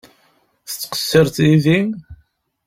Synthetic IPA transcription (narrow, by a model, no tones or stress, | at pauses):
θə̥t͡sːqə̥sːəɾθiði